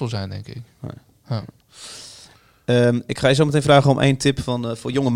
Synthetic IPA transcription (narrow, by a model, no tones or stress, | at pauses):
əlˠzɛjndɛ̰ŋkɪk | əmɪkχaːjəs̬owmət̬ejnvraːχənɔmʔḛjntɪpfɔnfʊːjɔŋəm